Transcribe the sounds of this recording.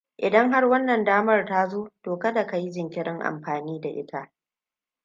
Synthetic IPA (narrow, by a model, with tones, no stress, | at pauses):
ʔɪ˨dɐ˦ŋɦa˦rwɐ˦nːɐ˨ndaː˦mɐ˦rta˦zoː˦toː˨kɐ˦da˨ka˦ji˦zɪ˨ŋkʲɪ˦ɽɪ˦ŋʔa̰˨mɸaː˨niː˦da˨ʔɪ̰˦tʰa˦ʔ